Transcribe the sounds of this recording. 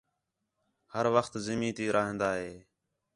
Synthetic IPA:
həɾʋəxt̪zɪmĩːt̪iːɾʔaːɦẽːnd̪aːɦeː

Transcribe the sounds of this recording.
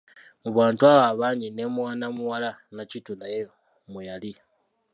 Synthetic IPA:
muβwaːntuawaːβaːɲine̞mwaːnamuwalanacitunaje | mujali

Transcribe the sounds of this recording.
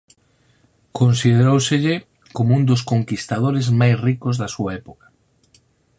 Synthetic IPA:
konsiðeɾowseʎɪ | komound̪ʊskoŋkist̪aðoɾɪzmajsrikozðasuaɛpokḁ

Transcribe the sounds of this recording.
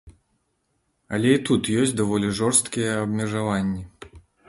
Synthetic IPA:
ɐlʲɛit̪ut̪jɔsʲd̪avɔlʲɛʐɔrst̪kʲijɛɐbmʲɛʐavanʲːɛ

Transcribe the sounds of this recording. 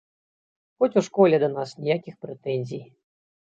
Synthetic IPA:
xɔt͡sʲuwʂkɔlʲɛd̪ɐnasnʲijakʲixpɾɛt̪ɛnʲzʲij

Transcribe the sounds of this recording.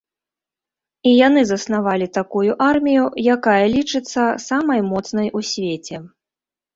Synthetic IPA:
ijan̪ɨzɐsn̪avalʲit̪akujuʔarmʲijujakajɐlʲit͡ʂɨt̪sːɐsamɐjmɔt̪snɐjusʲvʲet͡sʲɛ

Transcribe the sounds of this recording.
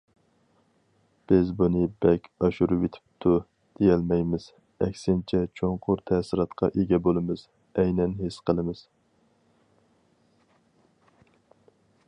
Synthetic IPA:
b̥ɪzbunɨbɛkʲɑʃuɾɨwet̪ʰɪ̥p̚t̪ʰu | d̪̥ejɛlmɛjmɪz̥ | ɛkʲsɪnt͡ʃʰɛt͡ʃʰoɴqʰʊɾt̪ʰɛsɪɾɑt̪qʰɑ̰ʔeɡʲɛbolˠɨmɨz̥ | ɛjnɛnɦesqʰəlˠɨmɨz̥

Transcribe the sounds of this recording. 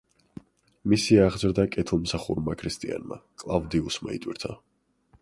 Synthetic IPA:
misiaʁd̪zɾd̪akʼɛt̪ʰlˠmsaχṵɾmakʰɾist̪ʼia̰nma̰kʼlˠavd̪iusma̰ḭt̪ʼwḭɾt̪ʰa

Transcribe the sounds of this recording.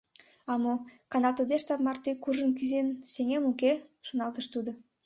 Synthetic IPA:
ɑmokɑnɑlt̪əd̪eʃt̪ɑpmɑrt̪ekuʒə̆nkyzenseŋemukeʃonɑlt̪ə̆ʃt̪ud̪ŏ

